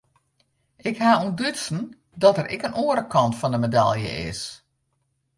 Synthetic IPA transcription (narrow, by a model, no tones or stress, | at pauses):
ʔɪkhaːundøsn̩ | dɔtəɾʔɪ̰kənoəɾəkʰɑntfɔndəmeda̰lˠjə̰ʔɪ̰s